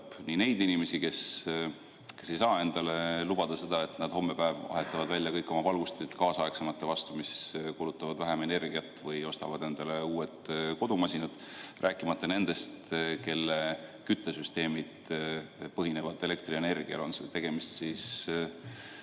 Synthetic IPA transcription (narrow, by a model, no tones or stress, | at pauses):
pnine̞jd̪inime̞sike̞s | ke̞sːe̞jsɑːe̞nd̪̥ɑle̞lub̥ɑd̪̥ɑse̞d̪̥ɑe̞t̪ˑnɑd̪̥ho̞mːe̞pæevɑ̰ɦe̞t̪ˑːɑvɑd̪vælʲːjɑkɤjkːˑo̞mɑvɑlɡ̥ust̪et̪kɑːsɑeksemɑt̪ːe̞vɑst̪umiskulut̪ːˑɑvɑd̪væɦeme̞ne̞rɡiɑt̪ːˑvɤjo̞st̪ɑ̰vɑd̪̥e̞nd̪̥ɑle̞uːet̪ko̞d̪umɑsʲinɑd̪̥ | rʔæːkːˑimɑt̪ːˑɑne̞nd̪̥e̞st̪ke̞lːekyt̪ːˑesyst̪e̞ːmid̪̥ | pɤɦine̞vɑd̪e̞le̞k̚t̪rie̞ne̞rɡ̥iɑ̰lonset̪e̞ɡ̥e̞mist̪sis